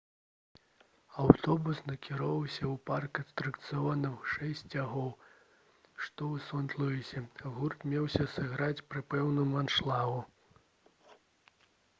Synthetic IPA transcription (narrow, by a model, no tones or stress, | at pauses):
awt̪ɔbusnɐkʲiɾɔvɐwsʲɐwparkɐst̪ɾɨkt̪sɨvɔnɨwʂɛsʲt͡sʲaɣɔw | ʂt̪ɔwsɔnt̪lˠɔjisʲɛɣurt̪mʲɛwsʲɐsɐɣɾat͡sʲpɾɨpɛwnumanʂlˠavu